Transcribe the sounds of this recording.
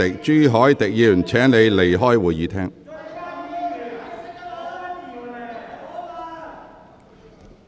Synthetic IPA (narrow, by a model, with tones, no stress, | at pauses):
ɪ˨k̚t͡ʃyː˥ɦɔː˨˥jt̪ɪ˨k̚jiː˨˧˩nt͡sʰɛː˨˥ŋne˨˧jle˨˩jɦɔː˥jwuː˨jjiː˨˧t̪ʰɛː˥ŋ